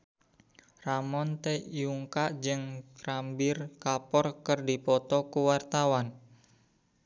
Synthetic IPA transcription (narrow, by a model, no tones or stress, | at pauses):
ramɔnt̪ejuŋkaʔd͡ʒɨŋrambɪrkapɔrkərdipɔt̪ɔkuwart̪awan